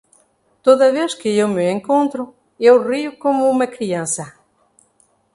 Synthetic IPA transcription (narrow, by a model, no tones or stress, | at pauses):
t̪oðɐβeskɪewmɪẽŋkõnt̪ɾʊ | ewriʊkomʊumɐkɾiãnsɐ